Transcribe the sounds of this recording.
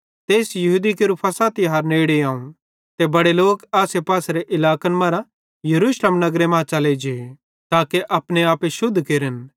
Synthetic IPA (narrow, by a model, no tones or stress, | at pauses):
t̪eːsjɐɦuːd̪ikɪɾupʰɐsaːt̪iɦaːɾneːɽeaːũ | t̪ebɐɽeloːkaːsepaːsɾeʔɪlaːkənmɐɾa | jɐɾuːʃlemnɐɡɾemãːt͡ʃɐled͡ʒee | t̪aːkeʔɐpneaːpeʃʊd̪ʱkeːɾən